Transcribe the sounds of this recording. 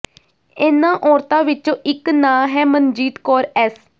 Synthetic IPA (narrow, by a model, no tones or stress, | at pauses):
ɪnãːʔɔːɾt̪ãːʋɪt͡ʃõːʔɪknãːɦɛːmənd͡ʒiːt̪kɔːɾɛːs